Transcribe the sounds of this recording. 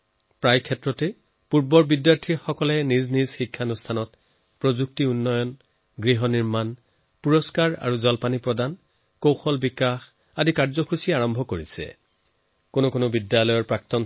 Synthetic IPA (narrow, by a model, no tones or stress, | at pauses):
pɹajkʰɛtɹɔtɛ | puɹbɔɹbidjaɹtʰiɹxɔkɔlɛniznizxikʰːanustʰanɔt̚ | pɹozuk̚tiunːɔjɔn | ɡɹiɦɔniɹman | puɹɔskaɹa̰ɹuzɔlpanipɹɔdan | kowxɔlbikax | adikaɹzɔxʰusiaɹɔmbʱɔkoɹisɛ̰ | konokonʊbidjalɔjɔɹpɹak̚tɔn